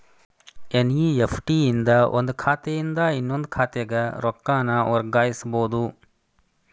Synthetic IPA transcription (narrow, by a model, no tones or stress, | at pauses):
enjiepʰʈiind̪ɐʔond̪ukʰaːt̪ɛjind̪ɐinːond̪ukʰaːt̪ɛɡɐɾɔkːaːnɐɔɾɡaːjisboːd̪u